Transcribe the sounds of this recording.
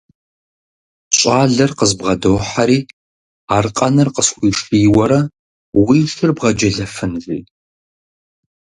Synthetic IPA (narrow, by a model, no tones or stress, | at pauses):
ɕʷʼaːɮɐrqəzbʁɐdoːħaɾiː | aːrqʼɐnɨrqəsxʷiːʂiːwɐɾɐ | wiːʃɨrbʁɐd͡ʒɐɮɐfɨnɮḭː